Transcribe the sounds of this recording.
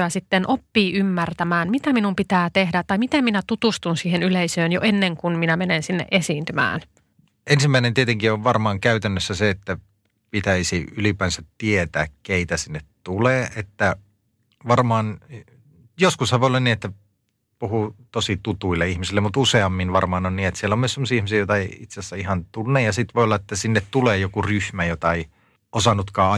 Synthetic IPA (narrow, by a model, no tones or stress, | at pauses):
æsit̪ːenʔopːiːʔymːært̪æmæːnmit̪æminumpit̪æːt̪ehdæt̪ɑjmit̪æminæt̪ut̪ust̪unsiːhenyleisøːnjo̰ʔenːeŋkunminæmenensinːḛʔesiːnt̪ymæ̰ːn | ensimːæˑinent̪iet̪eŋkioʋʋɑrmɑːŋkæyt̪ænːøsːæseet̪ːæ | pit̪æisiylipæːnsæt̪tiet̪æːkkeit̪æsinːet̪t̪uleːʔet̪ːæ | ʋɑrmɑːn | joskushæʋoˑjolːɑniːet̪ːæ | puhut̪osit̪ut̪uilːeihmisilːemut̪useɑmːinʋɑrmɑːnonniːnet̪sielːæomyøsemːosiːihmisiːjoˑt̪ɑeiit̪sesːæihɑnt̪unːejjɑsit̪ʋoˑiolːɑet̪ːæsinːet̪t̪uleːjokuryhmæjot̪ɑei | ʔosɑnut̪kɑːɑ